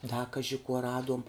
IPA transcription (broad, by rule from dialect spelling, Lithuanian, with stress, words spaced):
dɐ ˈkɑːʒʲɪ kuɔ ˈrɑːduɔm